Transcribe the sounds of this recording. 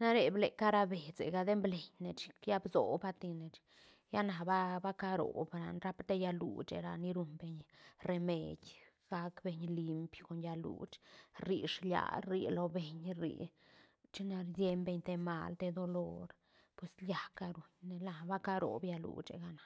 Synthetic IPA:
na˦ɾe˨ble˨ka˦ɾa˧be˨t͡sḛ˨ɡa˧d̪e˦mble˨ɲne˧t͡ʃja˦bzo˨ba˦t̪i˧ne˨t͡ʃ | ja˦na˨ba˦ba˦ka˦ɾo̰˨bɾa˨nɾa˦pt̪e˦ja˧lṵ˨t͡ʃḛ˧ɾa˨ni˦ɾu˧nbe˧ɲre˧mḛ˨d̪ʲ | ɡ̥a˧kbe˧ɲli˧mpko˨nja˧lṵ˨t͡ʃɾi˨ʂlja̰˧˨ɾi˧lo˧be˨ɲɾḭ˧˨ | t͡ʃi˦na˧ɾd̪je˦mbe˧ɲt̪e˧ma̰˧˨lt̪e˧d̪o˧lo˦ɾ | pwe˧slja˨˧ka˧ɾu˨ɲne˧la˨ba˦ka˦ɾo̰˨bja˧lṵ˨t͡ʃḛ˨ɡa˧nḁ˨

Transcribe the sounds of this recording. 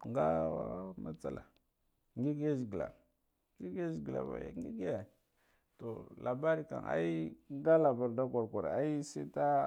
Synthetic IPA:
ŋɡa˦a˦ma˨t͡sa˨la˨ | ŋɡi˦ɡa˦zi˨ɡi˨la̰˨ | ŋɡi˦ɡa˦zi˨ɡla̰˨va̰˨ja̰˨ŋɡi˦ɡi˦ja˨ | to˨lʔa˨ba˦ɾi˦ka̰˨ŋa̰˦i˦ŋɡa˦la˨ba˨ɾda˦ka˨ɾkʷa˨ɾa˦i˦si˦ta˦

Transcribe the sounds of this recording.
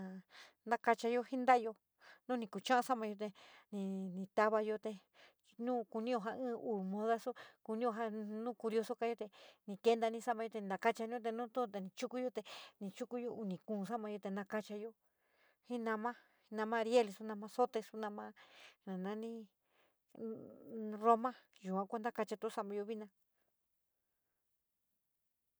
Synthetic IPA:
ã˨nã˦ka˧t͡ʃa˧jo˧hi˦nd̪a˦˧jo˧ | nũ˦nĩ˧ku˨t͡ʃã˦ʔã˧sa˦mã˧jo˧t̪e˧nĩ˧nĩ˧t̪a˦βa˧jo˧t̪e˧ | nũː˦ku˧nĩ˦jo˧ɦa˧ɨ̃ː˦uː˨mõ˧ða˦su˦ku˧nĩ˦jo˧ɦa˧nũː˦ku˧ɾjo˧so˦ka˧˦jo˧t̪e˧nĩ˧ke˦nd̪a˧nĩ˦˧sa˦mã˧jo˧e˧na˧ka˦t͡ʃa˧nĩ˦õ˦˧t̪e˧nũː˦t̪ũ˦˨t̪e˧nĩ˧t͡ʃu˦ku˦jo˧t̪e˧nĩ˧t͡ʃu˦ku˦jo˧ʔu˧˨nĩ˨kũː˧˨s̬a˦mã˧jo˧t̪e˧nã˧ka˦t͡ʃa˧jo˧ | hĩ˦nã˧mã˦˧ | nã˧mã˧ɾje˦lsu˧nã˧mã˧so˦t̪e˧su˧nã˧mã˦nã˨nã˧˦nĩ˦ | ro˦mã˦ju˨kʷã˧kʷa˦nd̪a˦ka˧t͡ʃa˧t̪o˧˦sa˦ʔmã˧jo˧βi˦nã˧

